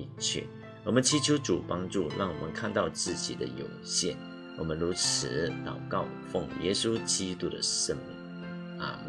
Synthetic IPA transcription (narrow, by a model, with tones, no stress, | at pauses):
t͡ɕʰɛ̰˥˩ | wɔ˨˩mə˦nt͡ɕʰi˧˥t͡ɕʰjo˧˥ʊʈ͡ʂu˨˩pɑ˥ŋʈ͡ʂu˥˧ɻɑ˥˩ŋwɔ˨˩mə˦nkʰa˥˧nt̪ɑ˥˧ʊt͡sɹ̩˥˩t͡ɕḭ˨˩d̪ə̰˦jo˨˩ʊɕjɛ̰˥˩n | wɔ̰˨˩mə˦nɻu˧˥t͡s̩ʰ˧˥˦t̪ɑ˨˩ʊkɑ˥˩ʊfʊ˥˩ŋjɛ̰˥su˥t͡ɕi˥t̪u˥d̪ə̰˨ʂə˥nmḭ˧˥˦ | a̰˨˩